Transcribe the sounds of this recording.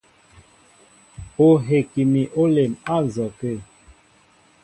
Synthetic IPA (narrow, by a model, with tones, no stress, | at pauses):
o˨ɦe˨ki˨mi˨ʔo˦le˨ma˦zɔ˨ke˦˨